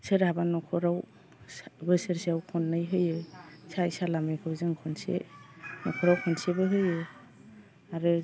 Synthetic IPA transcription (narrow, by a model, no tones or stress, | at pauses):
sɯɾabanɔkʰɔɾaw | bɯsɯɾseawkʰɔnːɯjɦɯjɯsajsalamɯjkʰɯwzɯŋkʰɔnsḛnɔkʰɔɾawkʰɔnsebɯɦɯjɯ | aɾɯ